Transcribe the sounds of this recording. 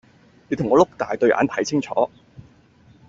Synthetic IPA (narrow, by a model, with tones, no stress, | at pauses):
liː˨˧˥t̪ʰʊ˨˩ŋɔː˨˧˥lʊ˥k̚t̪aː˨jt̪ɵ˧ɥʔa̰ː˨˥nt̪ʰɐ˨˥jt͡sʰɪ˥ŋt͡ʃʰɔ̰ː˨˥